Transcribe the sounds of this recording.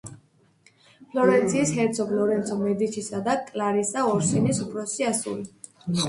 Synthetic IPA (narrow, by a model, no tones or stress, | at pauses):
pʰlɔɾɛnt̪sʰiːshɛɾt̪sʰɔpʰlɔɾɛnt̪sʰɔmɛd̪it͡ʃʰisad̪akʼlaɾisaɔɾsinisupʰɾɔsiasṵli